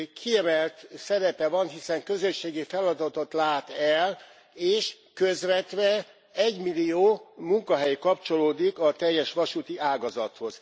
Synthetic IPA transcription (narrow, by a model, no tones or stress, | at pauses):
kʰiɛmɛlt̪sɛɾɛpɛvɒnɦisɛŋkø̞zøʃːeːɡifɛlɒd̪ɒt̪ot̪laːt̪ɛl | eːʃ | køzʋɛt̪ʋɛ | ɛɟmilijoːmuŋkɒɦɛjkɒpt͡ʃo̞loːd̪ikɒt̪ɛjːɛʃʋɒʃut̪iʔaːɡɒzɒt̪ho̞z̥